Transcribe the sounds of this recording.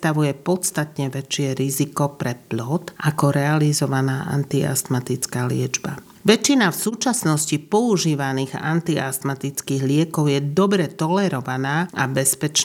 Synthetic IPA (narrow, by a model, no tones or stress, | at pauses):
t̪aʋujɛpɔt̪st̪at̪ɲɛʋɛt͡ʃɪɛɾizikɔpɾɛplɔt̪ʔakɔɾɛalizɔʋanaːʔa̰nt̪ia̰st̪mat̪it͡skaːlɪɛd͡ʒba̰ | ʋɛt͡ʃːinafsuːt͡ʃasnɔscipɔuʒiːʋaniːɣa̰nt̪iast̪mat̪it͡skiːɣlɪɛkɔʊjɛd̪ɔbɾɛt̪ɔlɛɾɔʋanaːʔabɛspɛt͡ʃ